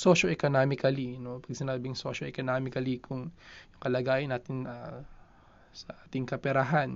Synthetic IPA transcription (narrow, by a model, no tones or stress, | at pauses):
soːʃoʔɛkonaːmɪkɐlinopɐɡ̚sɪnaːbɪŋsoːʃoʔɛkonaːmɪkɐlikʰʊŋjʊŋkɐlɐɡaːjɪnːaːt̪ɪna | sɐʔaːt̪ɪŋkɐpɛɾɐɦan